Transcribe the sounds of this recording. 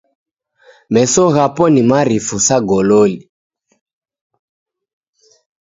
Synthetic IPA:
mɛsɔɣapɔnimaɾifusaɡɔlɔli

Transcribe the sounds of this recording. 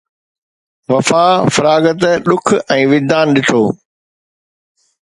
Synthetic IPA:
ʋɐfaːfɐɾaːɡət̪̬ɗʊkʰɛ̃ːʋɪd̪ʱaːnɗɪʈʰoː

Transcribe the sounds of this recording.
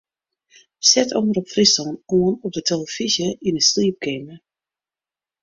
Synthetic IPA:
sɛtʰɔ̰ŋəɾɔpfrisɔnoənɔp̚dətʰeləfizjəinəsliəp̚kʰɪmə

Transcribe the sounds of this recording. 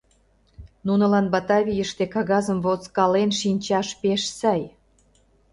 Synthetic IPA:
nunɤ̆lɑnbɑt̪ɑβʲijəʃt̪ekɑɣɑzə̆mvot͡skɑlenʃinʲt͡ɕɑʃpeʃsɑj

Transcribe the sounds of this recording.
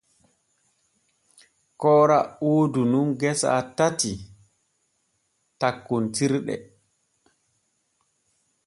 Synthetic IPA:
kɔːɾaoːdununɡɛsa̰tati | takːontiɾɗɛ̰

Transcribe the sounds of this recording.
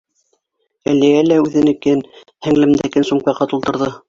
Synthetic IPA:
æliælæʉðɘ̆nɘ̆kɘn | hæŋlɘ̆mnd̪ækɘnsumpɑqɑt̪ulˠt̪ɤ̆ɾðɤ

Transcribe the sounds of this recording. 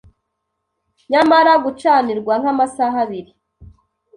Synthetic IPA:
ɲamaɾaɡut͡ʃaːniɾɡwaŋ̥hamasaɦaβiɾi

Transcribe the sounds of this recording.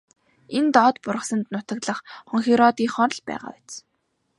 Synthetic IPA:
ent̪ɔːt̪pʊɾʁə̆sə̆nt̪nʊt̪ə̆k̪ɮə̆χχɔŋxiɾɔt̪iːŋχɔɾ̆ɮpæ̰ːʁa̰ːwæt͡s

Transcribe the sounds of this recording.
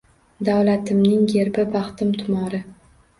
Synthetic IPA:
d̪awlat̪ʰɪmnɪŋjeɾbɪbɑχt̪ɪmt̪ʰʊmɒɾɪ

